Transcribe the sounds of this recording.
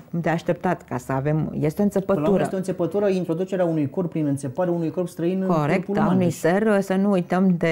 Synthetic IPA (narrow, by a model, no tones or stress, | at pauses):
kumd̪eaʃt̪e̞p̚t̪at̪ka̰səave̞mje̞st̪eont̪sʲepətluɾeəst̪eonsepət̪uɾəint̪ɾo̞d̪ut͡ʃe̞ɾeaunujkorpːɾinɨnt̪sepaɾeaunujko̞rpst̪ɾəinɨkoɾektpuaunujsersənuujt̪əmd̪e